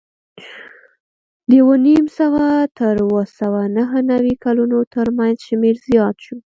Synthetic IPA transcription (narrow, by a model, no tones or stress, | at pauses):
d̪əjwonimsəwaat̪əɾwəsawanaɦənawikalunot̪əɾmanzʃmeɾzijɑt̪ʃu